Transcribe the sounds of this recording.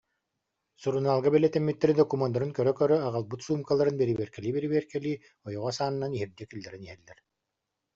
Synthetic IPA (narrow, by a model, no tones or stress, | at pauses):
suɾunaːlˠɡabɛlɛt̪ɛmːit̪ːɛɾid̪ɔkumand̪aɾɯnkœɾœkœɾœaʁalˠbɯt̪suːmkalˠːaɾɯnbɛɾiβiɛɾkɛliːbɛɾiβiɛɾkɛliː | ɔjɔʁɔsaːnnaniɦiɾd̪ɛkilːɛɾiniɦɛlːɛɾ